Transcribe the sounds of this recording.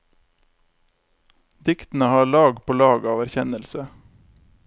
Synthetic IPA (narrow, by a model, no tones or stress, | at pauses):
d̪ɪkt̪n̩əhɑːɭɑːɡpʰoːlɑːɡɑːʋæɾçɛnəlsə